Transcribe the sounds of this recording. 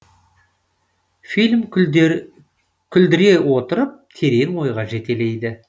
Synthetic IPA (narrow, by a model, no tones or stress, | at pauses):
filʲm | kʲʰʏld̪ɪɾe̞wo̞t̪əɾəp̚t̪ʰe̞ɾe̞nwo̞jʁɑʒe̞t̪e̞le̞jd̪ɪ